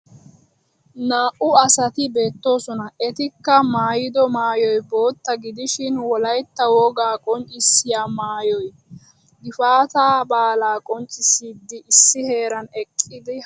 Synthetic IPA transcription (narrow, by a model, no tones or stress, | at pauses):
naːʔʊɐsɐt̪ɪbe̞ːt̪ːo̞ːsɔnɐɛt̪ɪkːɐmaːjɪd̪ɔmaːjɔjbo̞ːt̪ːɐɡɪd̪ɪʃɪnwɔlɐjt̪ːɐwoːɡaːkʼɔnt͡ʃʼɪsːɪjaːmaːjɔj | ɡɪfaːt̪aːbaːlaːkʼɔnt͡ʃʼɪsiːd̪ːɪɪsːɪhe̞ːɾɐnɛkʼːɪd̪ɪ